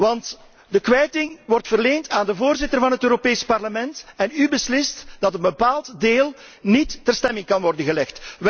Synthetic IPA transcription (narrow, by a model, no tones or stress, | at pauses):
ʋɑnt | dəkʋɛjtɪŋʋɔrtfərleːntaːndəvoːrzɪtərvɑnɦətøːɾopeːspɑrləmɛntɛnybəslɪstd̥ɑtənbəpaːlˠtdeːlˠnitːɛrstɛmɪŋkɑnʋɔrdənɣəlɛxt